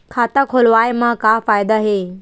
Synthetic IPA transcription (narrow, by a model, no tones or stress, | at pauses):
kʰaːt̪akʰolʋaːjemãkafaːjd̪aɦeː